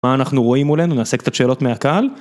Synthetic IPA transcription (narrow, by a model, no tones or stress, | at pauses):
aːnaχnuʁo̞imulenunease̞kt̪t͡satʃe̞ːlo̞tmeakal